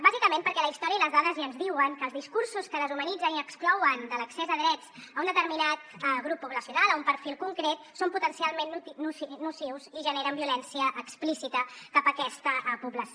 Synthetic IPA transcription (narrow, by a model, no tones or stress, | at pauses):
bazikəmẽmpəɾkɛləist̪ɔɾjəiləzðaðəziənzðiwəŋkəːlˠzðiskuɾsuskəðəzumənid͡zəniəksklɔwənd̪ələksezəðɾɛd͡zəund̪ət̪əɾminat̪ɣɾupːuβləsiunalˠəumpəɾfilˠkuŋkɾet̪somput̪ənsialˠmenːuːusiwziʒəneɾəmbiulɛnsiəʔːksplisit̪əkapəkɛst̪əpuβləs